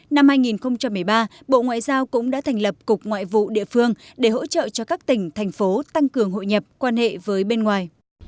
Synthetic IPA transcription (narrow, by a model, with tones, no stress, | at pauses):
na˧mhaː˧jŋi˨˩nxə˧wŋ͡mt͡ɕa˧mː˨˩əjɓaː˧ | ɓo̰˧˨ŋwa̰ː˧˨jzaː˧wkʊ̰˧˥ŋ͡mɗa̰ː˧˥t̪ʰɛ˨˩jŋ̟lə˨˩p̚kʊ˨˩k͡p̚ŋwa̰ː˧˨jvṵ˧˨ɗḭ˧˨əfɨ˧əŋɗe˧˩ho̰˧˥t͡ɕə̰ː˧˨t͡ɕɔ˧kaː˦˥k̚t̪ï˨˩ŋ̟t̪ʰjŋ̟fo˨˦t̪a˧ŋkɨ˨˩əŋɦo̰˧˨jɲə˨˩p̚kwaː˧nhḛ˧˨vəː˨˦jɓe˧nŋwaː˨˩j